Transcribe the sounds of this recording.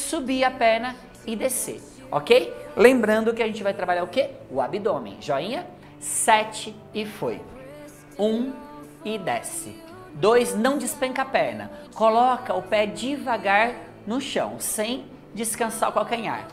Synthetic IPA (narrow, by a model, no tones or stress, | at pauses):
subiɐpɛɾnɐ | ɪd̪esḛ | ɔkejlẽmbɾɐ̃nd̪ʊkɪaʒẽnt͡ʃɪvajt̪ɾabaʎaɾʊkeʊabid̪õmḛ̃ʒɔĩɲɐ | sɛt͡ʃɪ | ɪfoj | ũ | ɪd̪ɛsɪ̰ | d̪ojznɐ̃w̃d͡ʒɪspẽŋkɐapɛɾnɐ̰kolɔkɐʊpɛd͡ʒɪvaɡaɾ | nʊʃɐ̰̃w̃sẽj̃ | d͡ʒɪskɐ̃saɾʊkawkɛɾɲa̰ɾ